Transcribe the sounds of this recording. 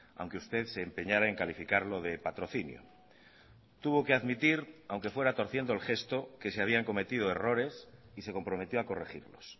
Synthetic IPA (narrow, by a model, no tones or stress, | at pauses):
a̰wŋkeust̪e̞ðse̞ːmpe̞ɲaɾae̞ŋkalifikaɾlo̞ðe̞pat̪ɾo̞θinjo̰ | t̪uβo̞ke̞aðmit̪iɾawŋke̞fwe̞ɾat̪o̞ɾθje̞nd̪oelxe̞st̪o̞ke̞seaβiaŋko̞me̞t̪ið̞o̞e̞ro̞ɾe̞s | ise̞ko̞mpɾo̞me̞t̪jo̞ako̞rexḭɾlo̞̰s